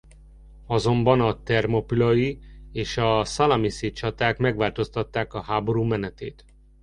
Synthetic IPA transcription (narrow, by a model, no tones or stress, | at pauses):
ɒzo̞mbɒnɒt̪ɛrmopilɒjieːʃɒsɒlɒmiset͡ʃɒt̪aːkmɛɡʋaːlt̪o̞st̪ɒt̪ːaːkɒɦaːbo̞ɾuːmɛnɛt̪eːt̪